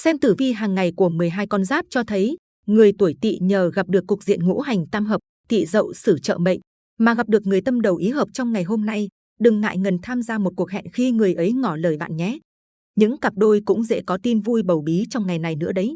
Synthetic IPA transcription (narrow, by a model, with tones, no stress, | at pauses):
sɛ˧mt̪ɨ˧˩vi˧ɦaː˨˩ŋːa˨˩jku˧˩əmɨ˨˩əjɦaː˧jkɔ˧nzaː˦˥p̚t͡ɕɔ˧t̪ʰə˨˦j | ŋɨ˨˩əjt̪u˧˩əjt̪ḭ˧˨ɲəː˨˩ɣa˨˩p̚ɗɨ˨˩əkːʊ˨˩k̚zḭ˧˨ənŋṵ˧˥ɦa˨˩jŋ̟t̪aː˧mɦəː˨˩p̚t̪ḭ˧˨zə̰˧˨wsɨ˧˩t͡ɕə̰˧˨ɓə̰˧˨jŋ̟ | maː˨˩ɣa˨˩p̚ɗɨ˨˩ək̚ŋɨ˨˩əjt̪ə˧mɗə˨˩wʔi˨˦ɦəː˨˩p̚t͡ɕɔ˧wŋ͡mŋa˨˩jɦo˧mna˧j | ɗɨ˨˩ŋːa̰ː˧˨jŋə˨˩nt̪ʰaː˧mzaː˧mo˨˩t̚ku˨˩ək̚ɦɛ̰˧˨nxi˧ŋɨ˨˩əjʔə˨˦jŋɔ˧˩ləː˨˩jɓa̰ː˧˨nɲɛ˨˦ | ɲɨ̰˧˥ŋkaː˨˩p̚ɗo˧jkʊ̰˧˥ŋ͡mzɛ̰˧˥kɔ˨˦t̪i˧nvu˧jɓə˨˩wɓi˨˦t͡ɕɔ˧wŋ͡mŋa˨˩jna˨˩jnɨ̰˧˥əɗə˨˦j